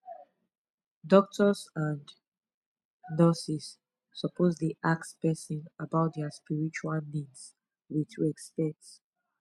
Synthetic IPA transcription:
dɔk̚tʰɔsãn | nɔsisː | ɔpozðiʔak̚spɛsɔ̃nabaʊt̚dɛaspiɹit͡ʃualnids | witʰɛkspɛts

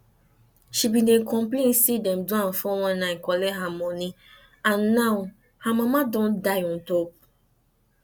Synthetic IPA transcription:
ʃibinekɔ̃mplensidɛm̩duãn̩fɔwɔ̃nnãɪkɔleɦamɔni | ãnːaw | hamamadɔ̃ndajɔn̩top

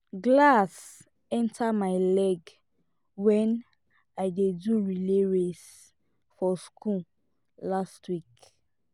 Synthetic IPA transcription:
ɡlas | ɛ̃ntʰamaɪlɛɡ | wɛ̃n | aɪdeduɹileɹes | fɔskũ | lastʰwik

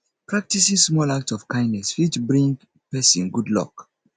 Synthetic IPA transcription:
pɹak̚tisĩsmɔlak̚tsɔv̥kãɪ̃nnɛsfit͡ʃbɹĩŋɡ | pɛsĩnɡudlɔ̰k

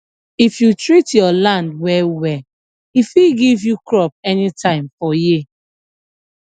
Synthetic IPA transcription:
ifjutɹitjɔlãndwɛwɛ | ifiɡivjukɹɔp̚ɛnitãɪ̃mfɔji

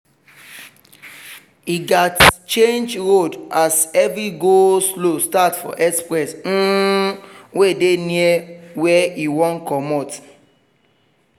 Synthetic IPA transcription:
iɡatt͡ʃẽnd͡ʒɹodasɛvɹiɡoslostatfɔ̰ʔɛkspɹɛs̩ | weideniɛwɛiwɔ̃nkɔmɔt

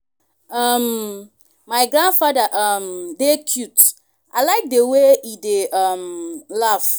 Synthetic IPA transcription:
ʌm | maɪɡɹãndfadaʔʌmdekʰjut | ʔa̰ɪlaɪk̚dəweideʔʌmlaf

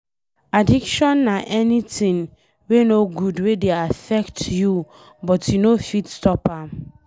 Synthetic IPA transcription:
adikʃɔ̃nːaʔɛnitĩn | wenoɡudwedeafɛktju | bɔtjunofitstɔpãm

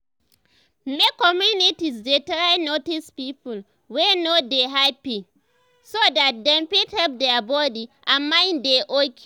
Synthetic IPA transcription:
mekːɔmjunitisdetɾajnotispipul | wɛnodeɦapi | sodat̚dɛ̃mpithɛlp̚dɛabɔdiʔamːãndeʔok

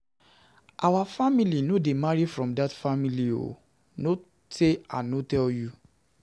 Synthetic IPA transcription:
ʔawafamilinodemaɹifɹɔ̃mdatfamilio̰ | no | seã̰notɛlju

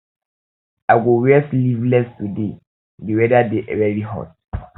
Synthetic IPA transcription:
aɡowɛslivlɛstude | dewɛdadeʔɛwɛɹiɦɔ̰t̚

